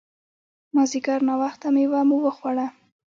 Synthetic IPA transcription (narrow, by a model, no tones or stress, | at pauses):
mɑziɡaɾnɑwaxt̪amewamuwəxwaɽa